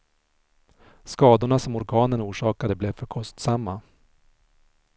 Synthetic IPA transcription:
skɑːd̪ʊɳasɔmɔɾɡɑːnənuːʂɑːkad̪əblɛvfœɾkʰɔst̪samːa

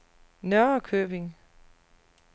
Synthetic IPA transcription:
nœɐkʰøːb̥e̝ŋ

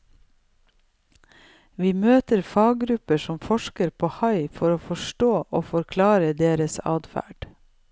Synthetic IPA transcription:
ʋiːmøːt̪əɾfɑːɡɾʉpəʃɔmfɔʃkəɾpʰoːhɑɪfɔɾoːfɔʃʈoːʔoːfɔɾkʰlɑːɾəd̪eːɾəsɑ̰ːd̪fæ̰ːɖ̥

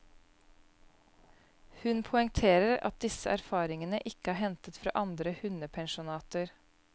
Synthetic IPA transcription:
hʉnpʰʊɪŋt̪ʰeːɾəɾɑ̰t̪̚d̪ɪsəʔæɾfɑːɾɪŋənəʔɪkəæːhɛnt̪ət̪fɾɑ̰ːʔɑnd̪ɾəhʉnəpʰɛŋʃʊnɑːt̪əɾ

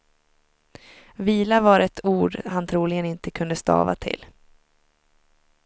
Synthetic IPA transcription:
viːlavaɾɛt̪ʰuːɖhant̪ʰɾuːlɪɡənɪnt̪əkʰɵnd̪əst̪ɑ̰ːva̰t̪ʰɪ̰lː

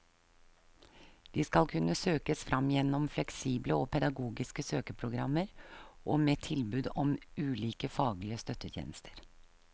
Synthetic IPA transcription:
d̪̥iːskɑlkʰʉnːəsøːkəsfɾʔɑmjɛnːɔmflɛksiːbləɔːpʰɛd̪ɑɡuːɡɪskəsøːkəpʰɾʊɡɾɑmːəɾʔɔmeːt̪ʰɪlbʉːd̪ɔmʉːliːkəfɑːɡlɪəst̪œt̪ːət̪ʰjḛːnəst̪ʰəɾ

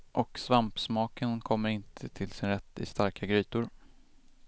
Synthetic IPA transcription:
ʔɔksvampsmɑːkənkʰɔmːəɾɪnt̪ʰət̪ʰɪlsɪnɾɛt̪ʰːɪ̰st̪aɾkʰaɡɾyːt̪ʊɾ

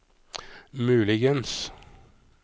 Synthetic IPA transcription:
mʉːlɪɡəns

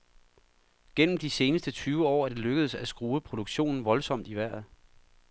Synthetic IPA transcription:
ɡ̥en̰m̩d̥ise̝ːnəsd̥ət͡sʰyːʊəɒ̰ːæɐd̥e̝løɡ̥əð̞̩ˠəsæsɡ̥ʁuːəpʰʁo̝d̥uɡ̥ɕo̝̰ːnn̩ʋɒ̽lsɒ̽m̰d̥iʋæɐ̰ð̩ˠ

